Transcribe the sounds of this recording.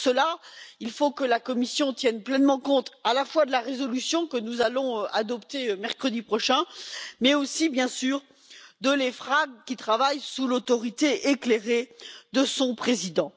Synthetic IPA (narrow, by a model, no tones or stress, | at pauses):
səlailfokəlakɔmisjɔ̃t̪jɛnplɛnmɑ̃kɔ̃t̪alafwad̪əlaʁezɔlysjɔ̃kənuzalɔ̃ad̪ɔpt̪eømɛʁkχəd̪ipχɔʃɛ̃mɛosibjɛ̃syːʁ | d̪əlefχaɡ̚kʲit̪χavajsulot̪ɔʁit̪eʔekleʁed̪əsɔ̃pχezid̪ɑ̃